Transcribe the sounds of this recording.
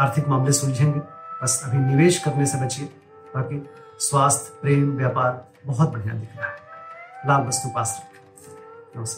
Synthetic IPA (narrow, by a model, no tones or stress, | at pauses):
aːɾt̪ʰɪkmaːmlesʊld͡ʒʱẽːŋɡebɐsɐbʰʱinɪʋeːʃkɐpnesebɐt͡ʃe | bɐɾkiswaːst̪ʰpɾeːmʋjaːpaːɾ | bɐɦʊt̪̚bɐɽija̰ːnd̪ɪkʰẽ | laːbbɐst̪upaːsɾɐ | õːse